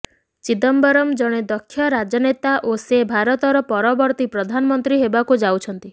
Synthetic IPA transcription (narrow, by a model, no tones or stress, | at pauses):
t͡ʃid̪ɔmbɔɾɔmd͡ʒɔɽ̃ed̪ɔkʰːjɔɾad͡ʒɔnet̪aʔosebʱaɾɔt̪ɔɾɔpɔɾɔbɔɾt̪ipɾɔd̪ʱanɔmɔnt̪ɾiɦebakud͡ʒawt͡ʃʰɔnt̪i